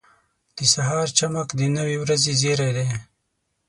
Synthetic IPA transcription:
d̪̥əsaɦɑːɾt͡ʃamakd̪ənawiwɾazezeɾed̪e

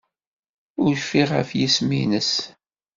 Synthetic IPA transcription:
ʊɾfiʁə̰fjismḭnəs

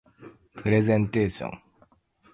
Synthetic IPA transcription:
pʰɯɾezẽnt̪eːɕõ̰n

